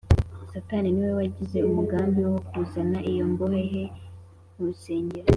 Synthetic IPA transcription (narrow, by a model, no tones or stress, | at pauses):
sataniniwe̞waɟize̞umuɡaːmbiwokuzanaʔijo̞mboheɦe̞ | nuɾuse̞ːɲɟeɾa